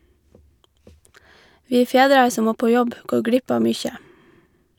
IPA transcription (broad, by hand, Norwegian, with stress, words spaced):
ˈʋiː ˈfeːdɾɑɹ ˈsɔm ˈmoː ˈpoː ˈjɔb ˈɡoː ˈɡɽɪp ˈɑː ˈmʏçə